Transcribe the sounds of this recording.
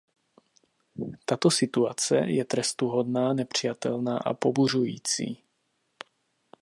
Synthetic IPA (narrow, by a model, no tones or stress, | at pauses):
t̪at̪osɪt̪uat͡sɛ̰jɛt̪ɾɛst̪uɦod̪naːnɛpr̝̥ɪjat̪ɛlna̰ːʔa̰poburujiːt͡sḭː